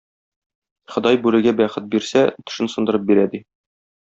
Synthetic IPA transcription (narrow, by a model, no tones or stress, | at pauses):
χɤ̆d̪ɑjbʉlɘ̆ɡæbæχɘt̪̚biɾsæt̪ɵ̥̆ʃɘ̆nsɤ̆nd̪ɤ̆ɾɤp̚biɾæd̪i